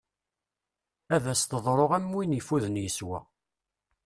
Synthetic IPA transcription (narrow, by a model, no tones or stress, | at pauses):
æðæst̪əðˤɾˤoʁæmːwinəfuðənjəswæ̰